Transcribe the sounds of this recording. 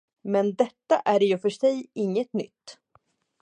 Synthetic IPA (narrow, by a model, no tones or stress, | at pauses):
mɛnd̪ɛt̪ːaʔæɖjɵfœʂɛjɪŋːət̪nʏ̰t̪ː